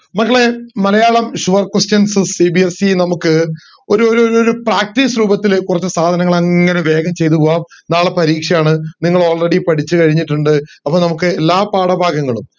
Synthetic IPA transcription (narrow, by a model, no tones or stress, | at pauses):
mɐkːɐɭe̞mɐlɐjaːɭɐmɕuʋɐrkwestjɐnsɨsibiesinɐmukːɨ | o̞ɾuoɾoɾoɾupraːk̚tisɾuːbɐt̪ːilkurɐt͡ɕːɨsaːd̪ʱɐnɐŋːɐɭɐŋːɐne̞ʋe̞ːɡɐmt͡ɕe̞jt̪upoːaːmnaːɭɐpɐɾiːkʂɐjaːɳɨniŋːɐɭo̞ːɭreɽipɐɽit͡ɕːɨkɐɻiɲːiʈːuɳɖɨɐpːoːnɐmukːɨelːaːpaːɽɐbʱaːɡɐŋːɐɭum